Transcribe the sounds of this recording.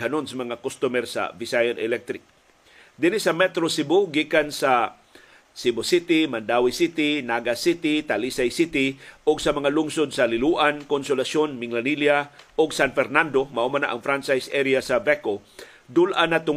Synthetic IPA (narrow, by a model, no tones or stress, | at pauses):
hɐnonsɐmɐŋakost̪umɛɾsa̰vɪsajonɛlɛk̚t̪ɾɪk̚ | d̪ɪnɪsɐmɛt̪ɾosɪboɡiːkansa | sɪbʊsɪt̪ɪmand̪aːwɪsit̪ɪnaɡasit̪ɪt̪alisajsit̪ɪʔʊɡsɐmɐŋalʊŋsod̪̚sɐlɪluːʔankonsʊlasʃonmɪŋlaniljaʔʊɡsanfɛɾnand̪omaʔʊmana̰ʔɐŋfɾant͡ʃajsʔɛɾijasɐbɛko | d̪ʊlʔanat̪ʊ